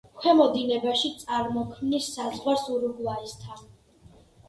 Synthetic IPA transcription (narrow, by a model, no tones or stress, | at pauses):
kʰwɛmɔd̪inɛbaʃit̪sʼaɾmɔkʰmnisːazʁwaɾsuɾuɡlˠaist̪ʰan